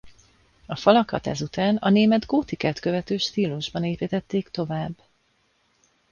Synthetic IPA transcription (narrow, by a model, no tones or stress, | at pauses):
ɒfɒlɒkɒt̪ɛ̰zut̪aːnɒneːmɛd̪ɡoːt̪ikɛt̪køvɛt̪øːʃt̪iːluʒbɒneːpit̪ɛt̪ːeːkt̪o̞vaːbː